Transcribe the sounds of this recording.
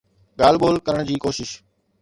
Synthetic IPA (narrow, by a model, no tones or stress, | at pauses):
ɠaːlɓoːlkəɾəɽ̃d͡ʑiːkoːʃɪʃ